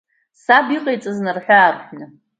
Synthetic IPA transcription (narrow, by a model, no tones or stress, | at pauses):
sabiqʼejt͡sʼɨznɨrħʷᶣaːrħʷnɨ